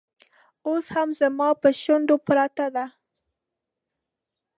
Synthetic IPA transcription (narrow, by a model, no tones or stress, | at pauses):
oshamzamɑpəʃand̪opɾat̪ad̪a